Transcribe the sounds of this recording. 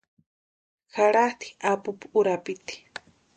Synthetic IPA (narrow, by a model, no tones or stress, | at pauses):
xaɽaht̪i̥apupuuɾapit̪i̥